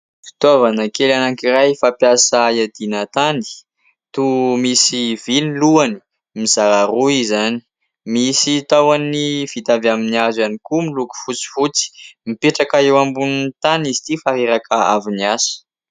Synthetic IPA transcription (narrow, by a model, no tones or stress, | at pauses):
fi̥t̪ovanəkelanaŋkirajfapjasaiad̪inat̪ani̥ | t̪umisiviniluani̥ | mizaɾaruizani̥ | misit̪awanifit̪avaminiazanikumiluku̥fut͡si̥fut͡si̥mipeʈ͡ʂakaewambunnit̪anizi̥t̪ifaɾeɾakʰəa̰viniasə̥